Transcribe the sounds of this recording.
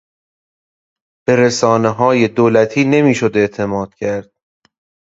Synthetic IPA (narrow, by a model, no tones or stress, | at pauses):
b̥e̞ɾesɒːneɦɒːje̞d̪oːlæt̪ʰiːne̞miːʃod̪e̞ʔt̪ʰe̞mɒːd̪̥̚cʲʰæɾd̪̥̚